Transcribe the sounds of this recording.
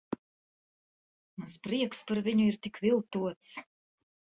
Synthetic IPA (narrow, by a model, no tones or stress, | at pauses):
maspɾiɛkspaɾviɲuiɾt̪ikvilˠt̪uɔt̪s